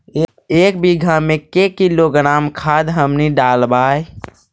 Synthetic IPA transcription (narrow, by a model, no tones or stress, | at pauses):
eːk̚biɡʱamẽkekiloɡənaːmkʰaːd̪ɦəmniɖaːlbaːj